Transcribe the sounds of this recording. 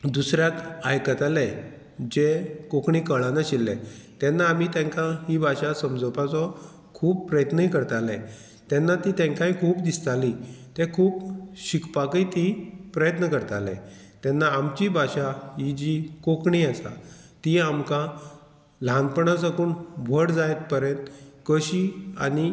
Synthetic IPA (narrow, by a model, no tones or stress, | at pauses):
d̪usɾjakajkət̪alɛ | d͡ʑekokɳikəɭãnaɕilːɛ̰̃t̪ɛnːaːmit̪ɛ̃ŋkãɦibʱaɕasəmd͡zəpat͡sɔ | kʰuːb̚pɾəjət̪nəikəɾt̪alɛ̰̃ | t̪ɛnːat̪it̪ɛ̃ŋkãĩkʰuːbd̪ist̪alit̪ɛkʰuːbɕikpakət̪ipɾəjət̪nəkəɾt̪alɛ̰̃ | t̪ɛnːaːmt͡ɕibʱaɕaɦid͡ʑikokɳiasa̰t̪iamkã | lãnpəɳãd͡zakuːnbʱəɽd͡zajt̪̚pəɾjə̃nt̪kəɕia̰ni